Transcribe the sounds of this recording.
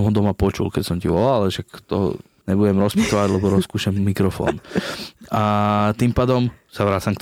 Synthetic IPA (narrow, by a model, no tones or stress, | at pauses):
mɦɔd̪ɔmapɔt͡ʃṵlkɛcsɔmciʋɔlalɛʃakt̪ɔɦɔ̰ | ɲɛbuɟɛmɾɔspit̪ɔʋaɟlɛbɔɾɔskuːʃamːikɾɔfɔ̰ːn | at̪impaːd̪ɔmsaʋɾaːt͡samkt̪